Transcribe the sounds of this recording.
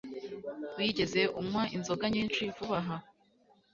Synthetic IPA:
wiɟe̞ze̞ʔumŋaʔinzo̞ɡaɲiːnt͡ʃivuβaɦa

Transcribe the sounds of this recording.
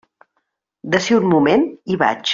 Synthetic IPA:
d̪əseunmumeniβa̰t͡ʃ

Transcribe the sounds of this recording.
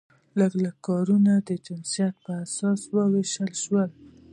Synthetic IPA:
ləɡləkːɑɾunad̪əd͡ʒɪnsijat̪̚pəasɑswəweʃəlʃwəl

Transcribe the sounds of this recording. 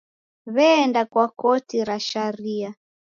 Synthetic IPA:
βɛːndakwakɔtiɾaʃaɾia

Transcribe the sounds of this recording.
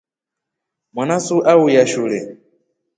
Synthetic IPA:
mwanasuʔaujaʃulɛ

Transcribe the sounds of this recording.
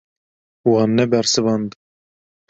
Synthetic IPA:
wɑːnːɛbɛɾsɨvɑnd̪

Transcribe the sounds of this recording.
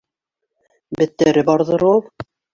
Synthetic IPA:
bɘ̆t̪ːæɾɘbɑɾðɤ̆ɾolˠ

